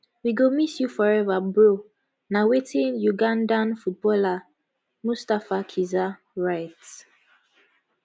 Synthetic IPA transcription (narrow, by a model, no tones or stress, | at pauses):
wiɡomisjufɔɹɛvabɹo | nawetĩnjuɡãndãnfut̚bɔla | mustafakʰiza | ɹaɪt